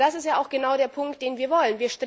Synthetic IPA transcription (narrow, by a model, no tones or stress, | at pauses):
d̥asɪstjaːʔaʊxɡ̥ənaʊɾeːɐpʰʊŋkt̚d̥eːnviːɐvɔlənviːɐʃtʁ